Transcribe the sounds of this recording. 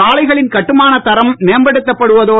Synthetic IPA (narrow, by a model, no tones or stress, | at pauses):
aːɭɐɪɣɐɭɪnkɐʈːɯmaːnɐt̪ːɐɾɐmmejːmbɐɽɯt̪ːɐpːɐɽɯʋɐðoː